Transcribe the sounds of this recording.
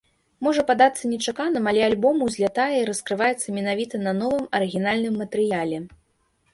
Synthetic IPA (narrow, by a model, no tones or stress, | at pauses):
mɔʐɐpad̪at̪sːɐnʲɛt͡ʂakanɨmɐlʲɛalʲbɔmuzʲlʲat̪ajɛiɾɐskɾɨvajɛt̪sːɐmʲɛnavʲit̪ɐnɐnɔvɨmɐɾɨɣʲinalʲnɨmːɐt̪ɛɾɨjalʲɛ